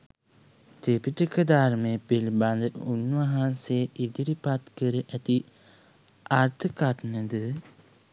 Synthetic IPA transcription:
t̪epiʈəkəd̪aɾmejəpiliband̪əunʋəɦansejʔid̪iɾipat̪kəɾəʔæt̪i | aɾt̪ʰəkat̪nəd̪ə

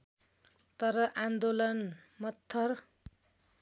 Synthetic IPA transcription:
t̪ʌɾʌʔand̪olʌn | mʌt̪ʰːʌr

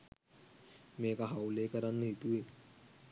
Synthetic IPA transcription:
meːkaɦawlekəɾanːəɦit̪ue

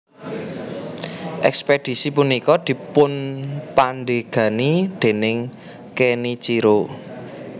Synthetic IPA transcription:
ʔɛ̰ksped̥i̤sipunikɔd̪̥i̤pʊnpanɖeɡ̥ä̤nid̪̥e̤nɪŋ | kenit͡ʃiɾo

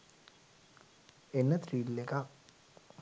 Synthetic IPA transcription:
enːət̪riːlːekak

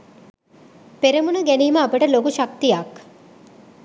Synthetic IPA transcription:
peɾimunəɡæniːməapəʈəlokuʃak̚t̪ijak

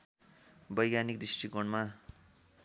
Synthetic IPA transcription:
bʌjɡanik̚d̪isʈʰikoɳma

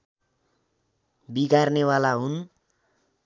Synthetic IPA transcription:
biɡarnewalaɦun

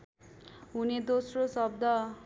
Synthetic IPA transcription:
ɦuned̪osrosʌb̚d̪ʱʌ

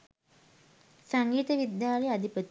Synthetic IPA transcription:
saŋɡiːt̪əʋid̪jaːlejad̪ʱipət̪

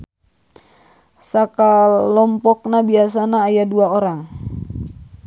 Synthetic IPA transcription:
sakalɔmpɔk̚nabias̬anaːjaduaoɾaŋ

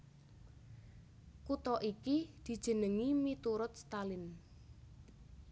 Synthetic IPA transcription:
kut̪ɔʔikid̪̥i̤d̥ʒ̥ə̤nəŋimit̪uɾʊt̪̚st̪alɪn

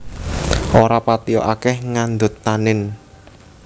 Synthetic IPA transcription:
ʔoɾapat̪iɔ̰ʔakɛhŋand̪ʊt̪ːanɪn

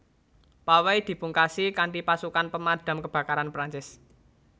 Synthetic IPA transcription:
pawejd̪̥i̤puŋkasikaɳʈipasukanpəmad̥a̤mkəb̥ä̤kaɾanpɾaɲt͡ʃɪs

